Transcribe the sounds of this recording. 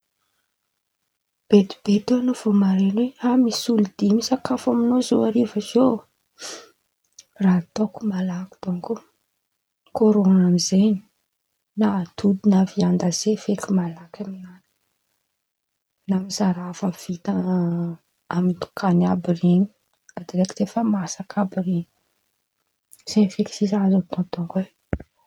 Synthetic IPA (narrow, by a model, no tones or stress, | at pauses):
b̥ed̪ib̥et̪eanov̥omaɾenweamisulud̪imisakafaminozoaɾevəzo | rat̪oku̥malaki̥d̪̥oŋko | koɾonamizeni̥ | nat̪ud̪inaviand̪azefekimalakaminani̥ | namizaɾafəv̥it̪a | amint̪u̥kʰanabiɾini̥ | ad̪iɾekt̪efəmasakʰabiɾini̥ | z̥efeki̥sizazot̪ɔ̃t̪oŋkwe